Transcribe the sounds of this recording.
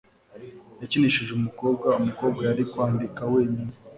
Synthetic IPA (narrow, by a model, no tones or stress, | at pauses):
jaciniʃuʒumuko̞ːb̚ɡaumuko̞ːbɡajaɾikwaːndikaweːɲini